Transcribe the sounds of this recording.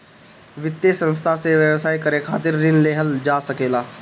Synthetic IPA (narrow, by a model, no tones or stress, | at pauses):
ʋɪt̪ːjesə̃nst̪ʰaseʋjəʋsaːikəɾekʰaːt̪ɪɾːɪnleːɦəld͡ʒaːsɐkeːlaː